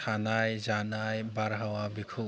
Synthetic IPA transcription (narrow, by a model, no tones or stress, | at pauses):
anajzanajbaɾɦawabikʰu